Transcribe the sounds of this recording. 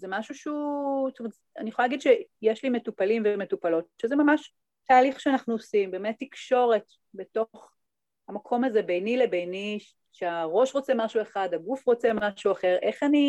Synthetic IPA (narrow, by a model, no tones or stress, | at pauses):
zemaʃuʃutomet | a̰nijχoalaɡid̪ʃejeʃlime̞tupalimvemetupalo̞tʃezemamaʃ | taːliχʃeanaχnuosimbemetːikʃo̞ʁe̞t | beto̞χ | amakʰo̞mazebejnilebejni | ʃeaʁo̞ʃʁo̞t͡se̞maʃueχadhaɡufʁo̞t͡semaʃuaχe̞ʁʔe̞χani